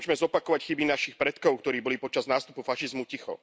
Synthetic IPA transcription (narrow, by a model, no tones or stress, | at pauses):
ʒmɛzɔpakɔʋacxibinaʃixpɾɛt̪kɔʊkt̪ɔɾiːbɔliːpɔt͡ʃaznaːst̪upufaʃizmucixɔ̰